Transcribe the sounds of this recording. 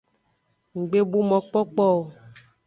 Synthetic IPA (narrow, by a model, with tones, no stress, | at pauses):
ŋ̩˨ɡ͡be˦bo˦mɔ̃˨k͡pɔ˦k͡pɔ˦o˨